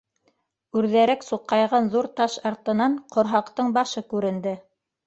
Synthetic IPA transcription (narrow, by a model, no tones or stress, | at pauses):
ʉɾðæɾæksuqːɑjʁɑnðuɾt̪ɑʃɑɾt̪ɤ̆nɑɴqʰŏɾɦɑqt̪ɤɴbɑʃɤkʉɾɘ̆nd̪ɘ